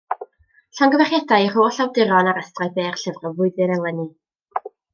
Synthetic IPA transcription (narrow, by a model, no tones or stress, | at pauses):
ɬanɡəvɛχjɛdajər̥oːɬawdɪɾɔnaɾəstrajbeːrɬɛvrɔvʊɨðɨnɛlˠɛni